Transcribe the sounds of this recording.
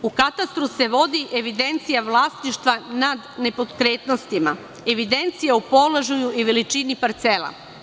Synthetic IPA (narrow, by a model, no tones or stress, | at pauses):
ukat̪ast̪ɾuse̞ʋo̞d̪iʔe̞ʋid̪e̞nt̪sijaʋlˠast̪niʃt̪ʋanad̪ne̞po̞d̪kɾe̞ːt̪nost̪ima | e̞ʋid̪e̞nt̪sijaupo̞lˠaʒujuiʋe̞lit͡ʃinipaɾt̪selˠa̰